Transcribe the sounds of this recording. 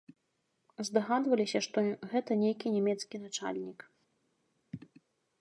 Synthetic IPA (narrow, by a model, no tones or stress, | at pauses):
zd̪aɣad̪vɐlʲisʲɐʂt̪ɔɣɛt̪ɐnʲejkʲinʲɛmʲɛt̪skʲinat͡ʂa̰lʲnʲik